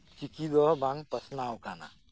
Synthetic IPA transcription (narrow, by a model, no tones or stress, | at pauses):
t͡ʃikid̪ɔbãŋɡpɐsnawkana̰